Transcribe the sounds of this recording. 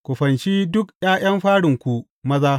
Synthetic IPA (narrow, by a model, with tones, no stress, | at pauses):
kʷu˨ɸɐ˨nt͡ʃiː˦dʊ˦kj̰aː˦j̰ɐ˦mɸaː˦ɽɪ˨ŋkʷu˨ | mɐ˦zaː˦